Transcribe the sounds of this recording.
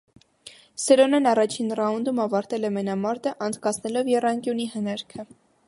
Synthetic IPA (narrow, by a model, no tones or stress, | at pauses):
sɛɾɔnənɑrɑt͡ʃʰinrɑund̪umɑvɑɾt̪ɛlɛmɛnɑmɑɾt̪əʔɑnd͡zkɑt͡sʰnɛlɔvjɛrɑŋkjunihənɛɾkʰə